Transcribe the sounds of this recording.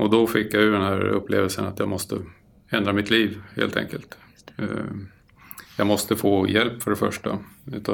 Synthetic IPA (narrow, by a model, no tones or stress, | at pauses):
ɔd̪ɔfɪkːjajʉɖ̪ɛnhæːɾɵ̰pːleːvəlsənat̪jɑːɡmɔst̪ʰə | ɛnd̪ɾamɪt̪liːvhḛːlt̪ʰɛ̰ŋkəlt̪ | jɑːɡmɔst̪əfoːjɛlpːfœɖɛfœʂʈa̰ʉ̟t̪ʰɑ